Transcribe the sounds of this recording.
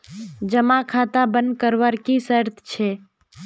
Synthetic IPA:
d͡ʒəmakʰat̪abənd̪̚kəɾʋəɾkisəɾt̪ʰt͡ʃʰɛ

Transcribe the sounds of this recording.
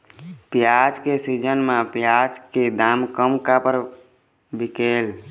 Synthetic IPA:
pjad͡ʒkesid͡ʒənmãpjad͡ʒked̪aːmkəmkapəɾ | bikeːl

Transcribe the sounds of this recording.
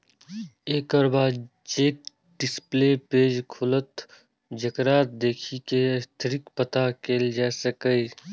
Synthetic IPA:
eːkɔɾbaː | d͡ʒeːk̚ | ɖɪspleːpeːd͡ʒkʰʊlət̪ | d͡ʒəkɾaːt̪̚d̪eːkʰiket̪ʰɾɪkpət̪akeːld͡ʒaːsəkəi

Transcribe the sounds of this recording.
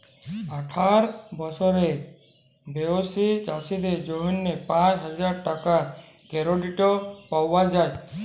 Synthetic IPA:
aʈʰaɾbɔsʰɔɾe | beosit͡ʃasid̪ed͡ʒoɦɔnːepãt͡ʃɦɔd͡ʒaɾʈaka | keɾoɖiʈɔpawad͡ʒaj

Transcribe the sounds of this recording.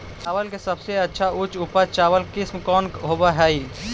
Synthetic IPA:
t͡ʃaːʋəlkesəbseɐtːʃʰaʊt͡ʃupat͡ʃaːʋəlkɪsmkɔːnɦoːbaɦɛːi

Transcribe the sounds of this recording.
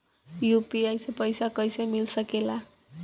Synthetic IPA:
jupiʌjsepʌjsakʌjsʌjmilsʌkela

